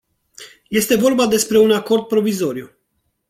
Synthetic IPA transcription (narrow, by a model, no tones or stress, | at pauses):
je̞st̪e̞vo̞rbad̪e̞spɾe̞unako̞rd̪̚pɾo̞vizo̞ɾiu